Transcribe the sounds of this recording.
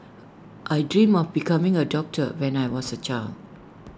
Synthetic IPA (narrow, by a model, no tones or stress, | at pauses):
ʔajdɹĩmɔfbikʰãmĩŋədɔk̚tʰəwɛ̃najwɔsət͡ʃaɪl